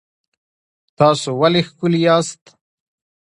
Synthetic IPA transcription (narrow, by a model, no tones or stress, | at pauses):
t̪aːsuwɐlixkuljaːst̪